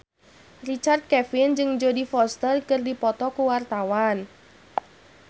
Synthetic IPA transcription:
rit͡ʃard̪̚kɛfɪnd͡ʒɨŋd͡ʒodifɔst̪ərkɨrdipɔt̪ɔkuwart̪awan

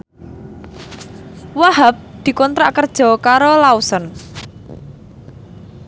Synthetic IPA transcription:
waɦap̚d̪̥i̤kɔnt̪ɾaʔkərd̥ʒ̥ɔ̤kaɾolausən

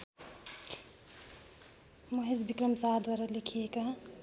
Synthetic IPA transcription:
moɦezbikɾəmsaɦd̪waːɾalikʰijekɐɦ

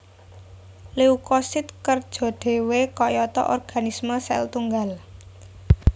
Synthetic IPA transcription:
leukosɪt̪kərd̥ʒ̥ɔ̤ɖ̪̥e̤wekɔjɔt̪ɔ̰ʔɔrɡ̥a̤nisməsɛ̰lt̪uŋɡal

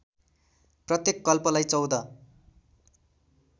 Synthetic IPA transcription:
prʌt̪jekːʌlpʌlajt͡sʌwd̪ʌ

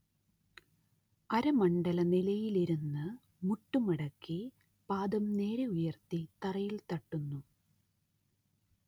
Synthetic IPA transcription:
ɐɾɐmɐɳɖɐlɐnilɐjiliɾunːɨ | muʈːumɐɽɐkːi | paːd̪ɐmne̞ːɾeujɐrt̪it̪ɐrɐjilt̪ɐʈːunːu

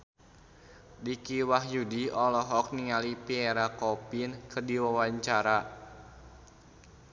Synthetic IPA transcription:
dikiwaɦjudiɔlɔɦɔk̚niŋalipiɛɾakɔpinkərdiwawaɲt͡ʃaɾa

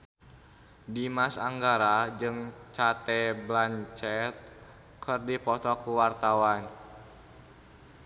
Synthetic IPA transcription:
dimasaŋɡaɾad͡ʒɨŋt͡ʃat̪ɛblaɲt͡ʃɛt̪̚ | kʰərdipɔt̪ɔkuwart̪awan

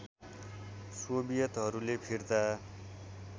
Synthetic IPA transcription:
sobijʌt̪ɦʌɾulepʰird̪a

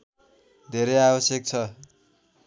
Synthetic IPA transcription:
d̪ʱeɾejabʌsjʌk̚t͡sʰʌ

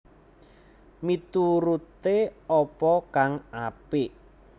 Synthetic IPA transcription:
mit̪uɾut̪eɔpɔkaŋapiʔ

